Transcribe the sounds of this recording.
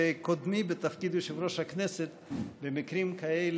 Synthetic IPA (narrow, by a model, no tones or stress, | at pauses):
ekod̪mibet̪afkid̪eʃevɾoʃhakneset̪bemikɾimkajel